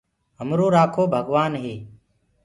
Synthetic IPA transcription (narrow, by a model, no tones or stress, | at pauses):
ɦəmɾoːɾaːkʰoːbʱəɡʋaːnɦeː